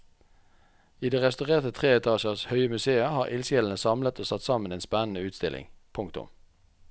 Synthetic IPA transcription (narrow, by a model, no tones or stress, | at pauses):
iːd̪eːʁɛst̪ʉʁeːʁt̪ət̪ʰʁeːɛt̪ʰɑːʃəʁshœʏəmʉseːəhɑːʁʔɪlsjɛln̩əsɑmlət̪ʰoːsɑt̪sɑməneːnspænən̩əʉːt̪st̪ɪlʔɪ̰ŋpʰʊŋkt̪ʊ̰m